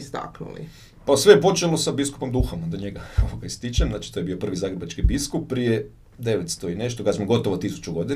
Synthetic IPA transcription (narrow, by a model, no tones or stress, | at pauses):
st̪a̰knṵlḭ | pasʋejepo̞t͡ʃelo̞sabisku̥po̞md̪uxamd̪oɲeɡaoʋoɡaist̪it͡ʃemzaːt͡ʃi̥t̪ojebio̞pr̩ʋizaːɡɾebat͡ʃkibiskuppːɾije | d̪eʋet̪st̪oine̞ʃt̪oɡasmoɡo̞t̪oʋot̪isu̥t͡ʃuɡo̞d̪i